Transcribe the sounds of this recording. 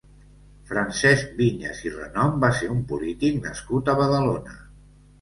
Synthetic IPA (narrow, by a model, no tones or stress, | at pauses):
fɾənsɛz̚biɲḛzirə̰nɔmbaseɾumpulit̪iknə̰skut̪əβəðəlonə